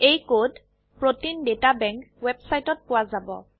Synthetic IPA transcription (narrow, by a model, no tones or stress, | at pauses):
ejkod | pɹotindetabɛŋkwebsajtɔt̚pʊwazabɔ̰